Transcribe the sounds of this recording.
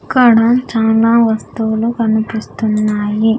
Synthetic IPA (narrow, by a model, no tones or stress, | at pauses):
ikːɐɽɐt͡ʃaːlaːʋɐst̪ulukɐnupist̪unːaːji